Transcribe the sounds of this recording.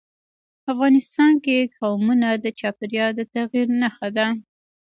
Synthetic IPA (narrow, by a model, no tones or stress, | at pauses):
afɣɑnɪst̪ɑnkekɑwmunad̪ət͡ʃɑpɪɾjɑd̪ət̪aɣiɾnaxad̪a